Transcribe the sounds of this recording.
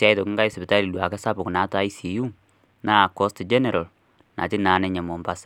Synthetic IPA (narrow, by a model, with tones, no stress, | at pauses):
a˦jto˨ki˦ŋɡa˦i˦sbɪ˨ta˦li˨dwa˨kɛ˦sa˦pʊ˨kna˨˦ta˦i˦si˨ju˦ | na˦˨kɔ˦std͡ʒe˦ne˨ɾa˨l | na̰˨ti˦naː˨˦nɛ˦ɲɛ˨mɔ˨mba˦s